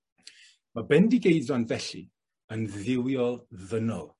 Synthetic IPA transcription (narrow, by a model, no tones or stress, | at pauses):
mabɛndiɡejdɔnðɛɬḭ | ənðɪwjɔlˠðənɔ̰lˠ